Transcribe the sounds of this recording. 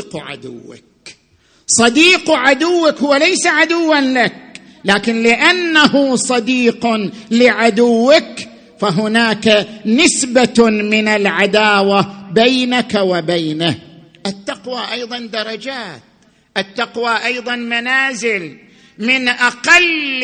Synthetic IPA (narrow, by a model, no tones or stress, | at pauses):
qʕa̰d̪ʊ̰wːa̰k̚ | sˤɑd̪iːqʕad̪ʊwːakhwalajsaʕad̪ʊwːanlak̚ | laːkɪnlɪʔanːahʊsˤɑd̪iːqlɪʕad̪ʊwːak | faɦʊnaːkanɪsbamɪnalʕad̪aːwabajnakawabaːna | ʔat̪ːɑqwaʔɑjðˤɑnd̪ɑɾˤɑd͡ʒaːt̪̚ | ʔɪt̪ːɑqwaʔɑjðˤɑnmanaːzɪl | mɪnʔaqɑl